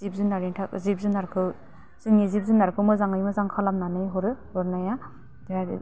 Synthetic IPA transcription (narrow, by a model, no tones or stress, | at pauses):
zip̚zunaɾiŋtʰakzip̚zunaɾkʰɯw | z̥iŋnizip̚zunaɾkʰɯwmɯzaŋɯjmɯzaŋkʰalamnanɯjɦɔɾɯhɔɾnaja | dad̰